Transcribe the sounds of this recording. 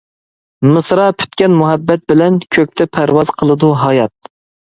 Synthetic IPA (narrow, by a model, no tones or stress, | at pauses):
mɨsɾɑpʰy̥t̪kʲɛnmuɦɛbːɛt̪̚bɪlɛnkʲʰøk̚ʲt̪ʰɛpʰæɾwɑzqʰəlˠɨd̪uɦɑjɑt̪̚